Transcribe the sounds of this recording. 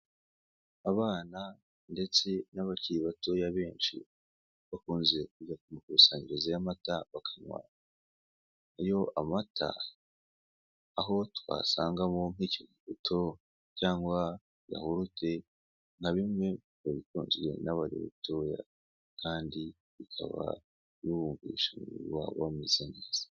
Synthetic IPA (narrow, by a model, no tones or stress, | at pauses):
aβaːna | nde̞t͡se̞naβaciɾiβatojaβe̞ːɲʃḭ | βakuːnze̞kuɟakumukusaːɲiɾezajamataβakʰaɲwa̰ːɲa | ajo̞ʔamatʰa̰ | ɦo̞twa̰ːsaːŋɡamom̥icomuɡutʰo̞ | caːŋɡwa | ja̰huɾutʰe̞ | n̥aβimŋe̞ | βaβitoːɲɟiɾe̞̰naβaɾḭβṵtoːja̰ | kaːndi | βikʰa̰βa̰ | juhuːɱviʃamuṵwaβ̰wamizeneːz̥ḁ